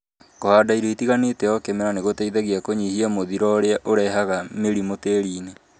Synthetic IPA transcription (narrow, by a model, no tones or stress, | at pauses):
kohadaiɾeitiɣanetɛɔkemɛɾaneɣotaiðaɣiakoɲihiamoðiɾɔɾeaʔoɾɛɦaɣameɾimoteɾiːne